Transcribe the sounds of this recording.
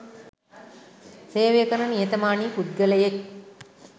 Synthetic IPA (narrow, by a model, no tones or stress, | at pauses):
seːʋekəɾənijet̪əmaːɳiːpud̪̚ɡələjek̚